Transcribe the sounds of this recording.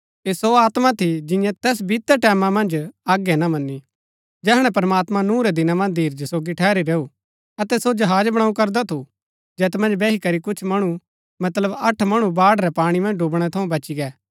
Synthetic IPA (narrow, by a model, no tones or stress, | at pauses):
eːsoaːt̪mat̪ʰid͡ʒɪ̃jãt̪ɛːs̬bit̪ːəʈɛːmamɐ̃nd͡ʒaːɡɛnamɐnːi | d͡ʒɛːɦɽ̃ɛ̃pɐɾmaːt̪mãnũːɾɛd̪ɪnamɐ̃nd̪ʱiːɾd͡ʒsoːɡiʈʰɛːɾiɾeːu | ɐt̪ɛsod͡ʒɐɦaːd͡ʒbɐɽ̃aːũkɐɾd̪at̪ʰu | d͡ʒɛːt̪mɐ̃nd͡ʒbɛːɦikɐɾikʊt͡ʃʰmɐɽ̃u | mɐt̪ləbɐʈʰmɐɽ̃ubaːɽɾɛpaːɽ̃imɐ̃nd͡ʒɖuːbɽ̃ɛt̪ʰɐũbɐt͡ʃiɡɛː